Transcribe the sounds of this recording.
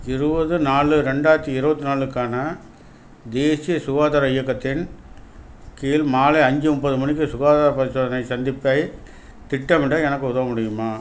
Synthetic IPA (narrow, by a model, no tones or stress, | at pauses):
ɪɾɯbɐðɯnaːɭɯɾɛɳɖaːɐɾt̪ːiɪɾɯbɐt̪ːɯnaːɭɯkːaːnɐ | d̪eːsɪjɐsʊɣaːðaːɾɐɪjɐkːɐt̪ːɪn | kiːlmaːlɐɐɲd͡ʒɯʊmbɐðɯmɐɳɪk̬ːɯsʊɣaːðaːɾɐpɐɾɪsoːðɐnɐɪsɐnd̪ɪpːɐɪ | t̪ɪʈːɐmɪɽɐɛnɐkːɯʊðɐʋɐmʊɽɪjɯmaː